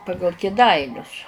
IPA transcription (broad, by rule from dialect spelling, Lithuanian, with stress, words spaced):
ˈpɑːɡɐlˠ kʲeːˈdɐɪnʲʊs